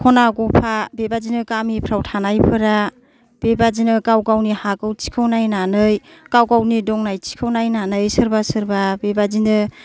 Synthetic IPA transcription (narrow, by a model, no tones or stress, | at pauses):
kʰɔnaɡɔpʰabebazinɯkamipʰɾawtʰanajpʰɯɾa | b̥ebazinɯkawɡawnihaɡɯwt͡ʃi̥kʰɯwnajnanɯjkawɡawnidɔŋnajt͡ʃi̥kʰɯwnajnanɯjsɯɾbasɯɾbabebazinɯ